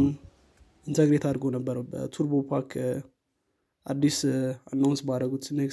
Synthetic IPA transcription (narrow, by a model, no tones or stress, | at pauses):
m | int̪ʰəɡɾet̪ʰad̪ɾɡo̞nəbːəɾəwbə̰t̪ʰuɾbopʰaɾkʰ | ʔad̪ːisanːawnsbad̪ɾəɡut̪ɨnːek